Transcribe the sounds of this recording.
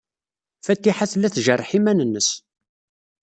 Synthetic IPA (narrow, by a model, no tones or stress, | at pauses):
fæt̪ːiħaθlːæθʒərˤːħimænənːəs